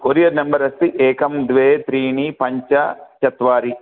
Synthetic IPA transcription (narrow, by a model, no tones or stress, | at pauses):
koːɾijɐɾnɐmbɐɾɐsiʔeːkɐmd̪ʋeːt̪ɾiːnipɐɲt͡ʃɐt͡ʃɐt̪ʋaːɾi